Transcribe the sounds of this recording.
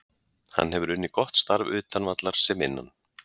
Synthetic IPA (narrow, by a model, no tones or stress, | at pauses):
ha̰nːɦɛvʏɾʏnːɪkɔht̪st̪aɾvʏːt̪anvat̪laɾ̥sɛmɪ̰nːa̰n